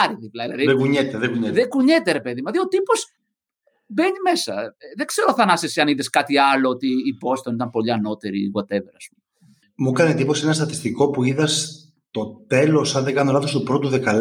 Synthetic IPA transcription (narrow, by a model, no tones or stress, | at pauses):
ɾiðiplɐilɐðiðeɡuɲet̪eðeɡuɲetðekuɲet̪e̞ɾe̞peðimɐðio̞t̪ipo̞s | be̞ɲime̞sɐ̰ðeɡ̥ze̞ɾoθɐnɐseseɐniðeskɐt̪iɐloot̪iːbo̞st̪onit̪ɐmpo̞ʎiɐno̞t̪eɾḭɣot̪eveɾɐspum | mukɐnet̪ipo̞senɐst̪ɐt̪ist̪iko̞puiðɐs | t̪o̞t̪e̞lo̞sɐnðeɡɐnolɐθo̞st̪upɾo̞t̪uðekɐl